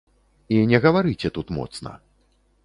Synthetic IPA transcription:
inʲɛɣɐvaɾɨt͡sʲɛt̪ut̪mɔ̰t̪snɐ̰

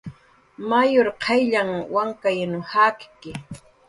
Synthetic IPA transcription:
majoɾqʰɑjʎaŋwaŋkajnʊhakkɪ

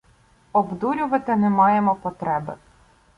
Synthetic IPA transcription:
ɔbd̪uɾʲʊʋɐt̪ɪnɛmɑjemɔpɔt̪ɾɛbɪ

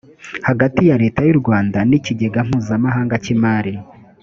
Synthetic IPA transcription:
haɡatijaɾe̞ːtajuɾɡwaːndaniciɟe̞ɡam̥huːzamaɦaːŋɡacimaːɾi

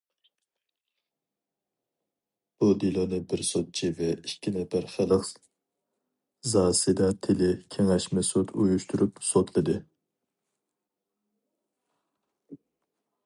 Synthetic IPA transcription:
b̥ud̪ilˠonɨbɪɾsot̪̚t͡ʃʰivɛikʲʰːinɛpæɾχælˠəq | zɑːsɨd̪ɑt̪ʰɪlɪkʲʰeŋɛʃmɛsot̪ʰujuʃt̪ʰuɾypsot̪ʰlˠɨd̪ɨ

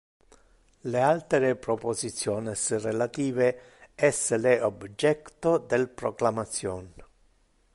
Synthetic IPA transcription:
lealt̪ɾepɾopozit̪sːjoːnɪsrelat̪iːve | ɛsleobd͡ʒɛkt̪od̪elpɾoklamat̪sːjɔːn

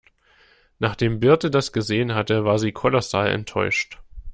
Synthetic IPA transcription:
naːχd̥eːmbɪɐtədasɡ̥əzeːənɦatəvaːɐziːkʰɔlɔsaːlɛ̰ntʰːɔʏʃt

